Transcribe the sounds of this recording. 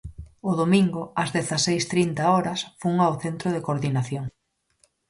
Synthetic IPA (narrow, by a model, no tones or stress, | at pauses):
ʊðomĩŋɡʊɐzðeθasejst̪ɾint̪aɔɾɐsfuŋawθent̪ɾʊð̞ɪkoɾðinaθjoŋ